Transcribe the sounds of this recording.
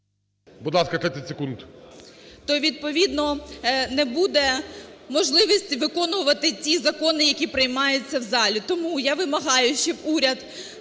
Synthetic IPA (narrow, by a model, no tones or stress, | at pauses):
bʊd̪lˠɑskɐt̪ɾɛt̪ʲɪsʲekund̪ | t̪ɔʋʲid̪̚pɔʋʲid̪nɔnɛbud̪ɛmɔʒlˠɪʋɔsʲtʲiʋɪkɔnʋʊʋɐt̪ɪt͡sʲizɐkɔnɪjɐkʲipɾɪjmɑjʊt͡sʲːɐwzɑlʲʊt̪ɔmujaʋɪmɐɦɑjʊʃt͡ʃɛbuɾʲɐd̪